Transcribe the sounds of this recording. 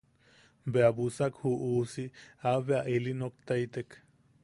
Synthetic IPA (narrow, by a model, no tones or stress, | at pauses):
beabusakhuʔuːsiabeaʔelinok̚t̪ait̪ek